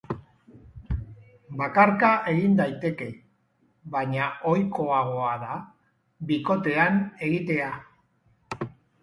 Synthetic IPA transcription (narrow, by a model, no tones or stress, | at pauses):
bakaɾkaʔe̞ɣind̪ajt̪e̞ke̞ | βaɲaʔo̞jko̞aɣ̞o̞aða | biko̞t̪e̞ane̞ɣit̪e̞a